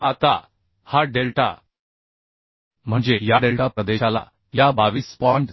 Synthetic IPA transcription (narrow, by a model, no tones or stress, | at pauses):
at̪a̰ | haɖelʈa̰ | m̤əɳd͡zejaɖelʈapɾəd̪eɕala̰ | jabaʋiːspɔɳʈ